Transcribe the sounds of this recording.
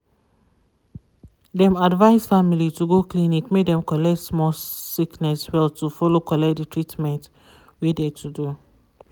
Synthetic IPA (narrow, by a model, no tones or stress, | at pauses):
dɛ̃madvaɪsfamilituɡoklĩnikmedɛ̃mkɔlɛktsmɔsiknɛswɛltufɔlokɔlɛkt̚ditʰɹitmɛ̃nt | widetʰudu